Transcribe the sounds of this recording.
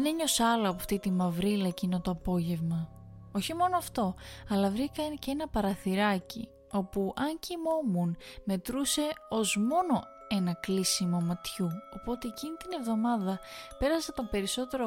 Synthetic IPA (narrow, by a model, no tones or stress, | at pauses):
eneɲo̞sɐloɐpoft̪it̪imɐvɾilɐcinot̪oɐpo̞ʝe̞vmɐ | o̞çimo̞noɐft̪o̞ɐlɐvɾikɐcenɐpɐɾɐθiɾɐcḭ | o̞puʔɐɲcimo̞munme̞t̪ɾuse̞o̞zmo̞no̞ | e̞nɐklisimo̞mɐt̪çuo̞po̞t̪e̞ːcinit̪ine̞vðo̞mɐðɐpe̞ɾɐset̪o̞mbe̞ɾiso̞t̪e̞ɾo